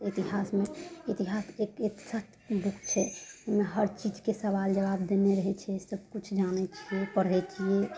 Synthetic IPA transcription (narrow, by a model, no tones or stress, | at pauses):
it̪iɦasmeit̪iɦasekit̪sat | bukt͡ʃʰɛmeɦəɾt͡ʃid͡ʒkesəʋald͡ʒəʋabd̪eneɾəɦɛt͡ʃʰɛsəb̚kut͡ʃʰd͡ʒanɛt͡ʃʰiepəɽɦɛt͡ʃʰie